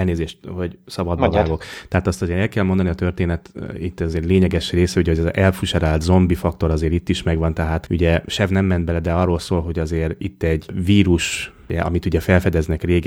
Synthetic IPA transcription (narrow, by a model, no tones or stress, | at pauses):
ɛlneːzeːʃt̪ho̞ɟsɒbɒd̪vaːɡo̞kt̪ɛɦaːt̪ɒst̪ɒzeːɾɛlkɛlmond̪ɒniɒt̪ørt̪eːnɛt̪it̪ːɛzeːɾleːɲɛɡɛʃreːsɛuɟɛɦo̞ɟɛzɛlfuʃɛɾaːlt̪zo̞mbifɒk̚t̪o̞ɾɒzeːɾit̪ːiʃmɛɡʋɒnt̪ɛɦaːt̪ṵɟɛʃɛvnɛmːɛnd̪̚bɛlɛd̪ɛɒrːolsoːlɦo̞ɟɒzeːɾit̪ːɛɟviːɾuʃ | ɛɒ̰mit̪uɟɛfɛlfɛd̪ɛznɛkreːɡ